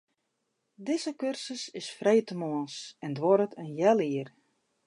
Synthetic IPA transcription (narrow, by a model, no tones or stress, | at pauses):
dɪzəkørsəsɪsfrejtəmoənsɛndʋɔɾətʰənjɛlˠiər